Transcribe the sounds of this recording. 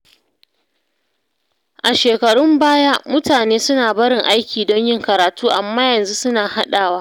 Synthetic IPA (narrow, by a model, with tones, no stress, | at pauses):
ʔa˨ʃeː˨kɐ˨ɽʊ˦mbaː˦jaː˦mʊ˦taː˨neː˦sʊ˦naː˨bɐ˦ɽɪ˨ŋʔa˦jkʲiː˨dɔ˦ɲjɪ˦ŋkɐ˨ɾaː˨tuː˦ʔa˨mːaː˦jɐ˨nzu˦sʊ˦naː˨ha˦ɗaː˨waː˦